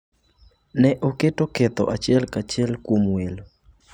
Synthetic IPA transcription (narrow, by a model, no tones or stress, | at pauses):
nɛʔoketoket̪ɔ̰ʔat͡ʃɪɛlkat͡ʃɪɛlkwomwelo